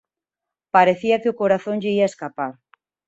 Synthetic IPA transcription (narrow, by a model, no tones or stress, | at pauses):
paɾeθiɐkɪʊkoɾaθõŋʎeiaeskapaɾ